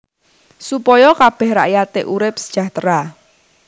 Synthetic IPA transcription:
supɔjɔkab̥ɛhɾa̰ʔjat̪ɪʔuɾɪp̚sə̥ʒ̥a̤ht̪ɾa

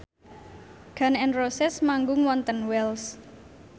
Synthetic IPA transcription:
ɡ̥a̤nɛnrosɪsmaŋɡʊŋwɔnt̪ənwɛls

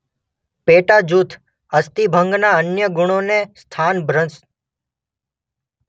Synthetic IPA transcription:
peʈad͡ʒut̪ʰ | əst̪ibʱə̃ŋɡnaənjəɡʊɽ̃onest̪ʰanbʱɾə̃ns

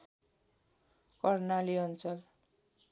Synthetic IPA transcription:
kʌrnaliʌnt͡sʌl

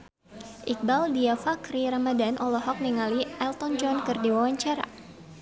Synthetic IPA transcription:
ʔik̚baldiafakɾiɾamadanʔɔlɔɦɔk̚niŋaliʔɛlt̪ɔnd͡ʒɔnkɨrdiwawaɲt͡ʃaɾa̰

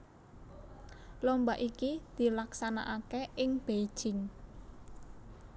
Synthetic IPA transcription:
lombaʔikid̪̥i̤laksanaʔakeʔɪŋb̥e̥ʒ̥ɪŋ

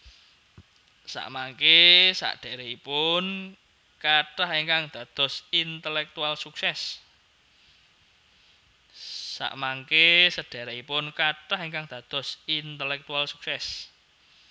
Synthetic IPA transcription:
sa̰ʔmaŋkesa̰ʔɖ̥a̤ɾeipʊn | kaʈaheŋkaŋd̪̥a̤d̪̥ɔ̤sint̪əlɛk̚t̪ualsuksɛs | sa̰ʔmaŋkesəɖ̥a̤ɾɛipʊnkaʈaheŋkaŋd̪̥ä̤d̪̥ɔ̤sint̪əlɛk̚t̪ualsuksɛs

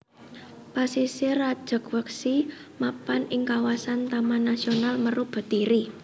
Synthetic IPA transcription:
pasiserad̥ʒ̥ə̤kwəksi | mapanɪŋkawasant̪amanasionalmərub̥ə̤d̪̥iɾi

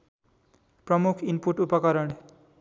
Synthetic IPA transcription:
prʌmukʰimpuʈupʌkʌɾʌɳ

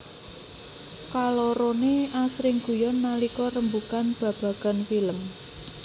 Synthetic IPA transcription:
kaloɾoneʔasɾɪŋɡ̥ṳjɔnːalikɔrəmbukanb̥ä̤b̥ä̤ɡ̥a̤nfiləm

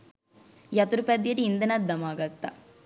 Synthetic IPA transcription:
jɐt̪uɾupɐd̪jɐɾiːnd̪ɐnɐd̪ːɐmaːɡɐt̪ːɐ̰

